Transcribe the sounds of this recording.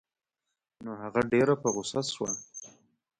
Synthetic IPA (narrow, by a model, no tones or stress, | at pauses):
noɦaɣaɖeɾapəɣʊsaswa